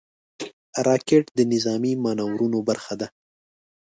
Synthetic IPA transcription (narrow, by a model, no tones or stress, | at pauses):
ɾɑkeʈd̪ənɪzɑmimɑnawɾunobaɾxad̪a